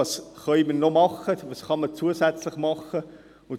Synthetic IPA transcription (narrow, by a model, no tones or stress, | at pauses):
ɑsχœʏmənːomɑχəʋɑːsχɑmət͡suəsæt͡slɪχmɑχə | ʊn